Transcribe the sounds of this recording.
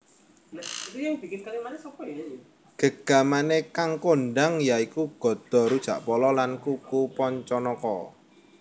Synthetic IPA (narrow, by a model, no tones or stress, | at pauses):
iujaŋb̥ikɪnkalimansɔkɔ | ɡ̥əɡ̥a̤manekaŋkonɖaŋjaikuɡ̥ɔ̤d̪̥ɔ̤ɾud̥ʒ̥ä̤ʔpɔlɔlankukupɔɲt͡ʃɔnɔkɔ